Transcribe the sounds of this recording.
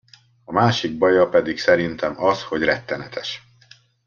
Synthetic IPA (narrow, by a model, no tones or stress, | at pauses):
ɒmaːʃiɡ̚bɒjɒpɛd̪iksɛɾint̪ɛmɒsho̞ɟrɛt̪ːɛnɛt̪ʰɛʃ